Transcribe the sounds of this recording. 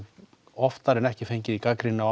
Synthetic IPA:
ɔft̪aɾɛnɛhcɪfejɲcɪðikakɾina

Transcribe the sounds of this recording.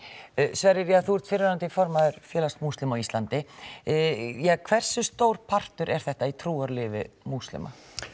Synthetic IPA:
svɛɾɪɾjaθuːɾ̥t̪fɪɾɪnant̪ɪifɔɾmaðʏɾ̥fjɛːlast̪must̪lɪmɔwist̪ant̪ɪ | jɛkʰv̥ɛr̥sʏst̪oːwɾ̥pʰar̥t̪ʏɾʔɛɾ̥θɛht̪ait̪ʰɾuːaɾlɪːvɪ̰must̪lɪ̰ma̰

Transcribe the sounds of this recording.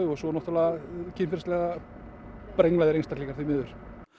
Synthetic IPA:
ʏɣɔsɔnɔht̪alaɣcʰɪfɛɾslɛɣa | pɾejŋlajðɪɾejnst̪aɾ̥liːkaɾ̥θimɪːðʏɾ̥

